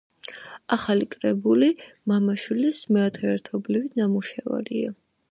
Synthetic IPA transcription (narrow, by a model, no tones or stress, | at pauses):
aχalikʼɾɛbulimamaʃwilismɛat̪ʰɛɛɾt̪ʰɔblivit̪namuʃɛva̰ɾia